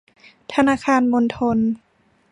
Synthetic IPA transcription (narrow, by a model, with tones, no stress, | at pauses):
t̪ʰa˧naː˧˥kʰaː˧nmo˧nt̪ʰo˧n